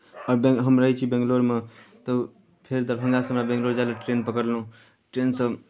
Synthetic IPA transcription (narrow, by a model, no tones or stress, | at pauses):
ɔɾbeɦəmɾəɦit͡ʃʰibẽŋɡloɾmet̪ə | pʰeɾd̪əɾbʱəŋɡasəmɾabẽŋɡloɾd͡ʒalaʈɾenpəkəɾlɦũ | ʈɾensə